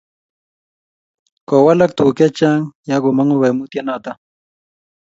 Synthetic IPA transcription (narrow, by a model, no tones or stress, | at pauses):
kowalakt̪uket͡ʃaŋjaɡʊmaŋuβemut̪janat̪a